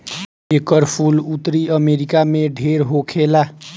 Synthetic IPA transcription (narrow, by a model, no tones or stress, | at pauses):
ekəɾpʰulut̪ɾiəmeɾikameɖʱeɾɦokʰela